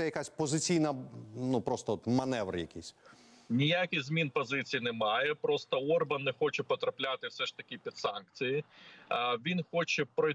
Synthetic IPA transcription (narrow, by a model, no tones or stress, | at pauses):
ɛjɐkasʲpɔzɪt͡sʲijnɐnupɾɔst̪ɔɔt̪mɐnɛʋɾ̰jɐkʲisʲ | nʲijakʲɪxzmʲinpɔzɪt͡sʲijinɛmɑjɛpɾɔst̪ɔɔrbɐnːɛxɔt͡ʃɛpɔt̪ɾɐplʲat̪ɪwsɛʂt̪ɐkʲɪpʲid̪sɑnk̚t͡sʲiji | ʋʲinxɔt͡ʃɛpɾɔ